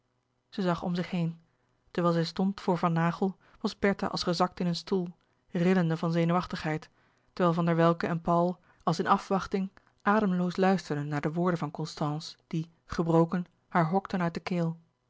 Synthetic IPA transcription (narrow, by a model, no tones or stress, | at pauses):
z̥əzɑχɔ̰mzɪχɦejn | təɹʋɛːlˠzɛjstɔntfʊːɹvɑnːaːχəlˠ | ʋɑzbɛɹta̰ʔɑ̰lˠsχəzɑk̚tɪnənstulˠ | rɪləndəvɑnzejnuʋɑχtəχɦɛjtː | əɹʋɛːlˠvɑndəɹʋɛlˠkəɛnpɑwlˠ | ɑlˠsɪnɑfʋɑχtɪŋ | ʔaːdəmlowslœɥstəɹdənːaːɹdəʋʊːɹdənvɑnkɔnstɑ̃ːnsd̥i | χəbrowkən | haːɹɦɔktənœɥt̚dəkeːlˠ